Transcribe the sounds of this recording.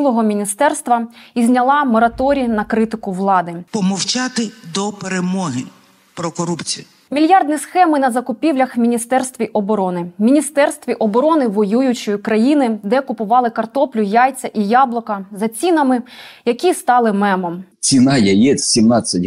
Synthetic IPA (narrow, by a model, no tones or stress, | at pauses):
lˠɔɦɔmʲinʲist̪ɛrst̪ʋɐizʲnʲɐlˠɑmɔɾɐt̪ɔɾʲinɐkɾɪt̪ɪkʊʋlˠɑd̪ɪpɔmɔwt͡ʃɑt̪ɪd̪ɔpeɾemɔɦɪ | pɾɔkɔɾupt͡sʲijʊ | mʲilʲjɑrd̪nɪsxɛmɪnɐzɐkʊpʲiwlʲɐxmʲinʲist̪ɛrst̪ʋʲiʔɔbɔɾɔnɪmʲinʲist̪ɛrst̪ʋʲiʔɔbɔɾɔnɪʋɔjujʊt͡ʃɔjikɾɐjinɪd̪ɛkʊpʊʋɑlˠɪkɐrt̪ɔplʲʊjɑjt͡sʲɐʔijɑblˠɔkɐzɐt͡sʲinɐmɪjɐkʲist̪ɑlˠɪmɛmɔmt͡sʲinɑjɐjɛsʲimnɑt͡sʲːɐtʲ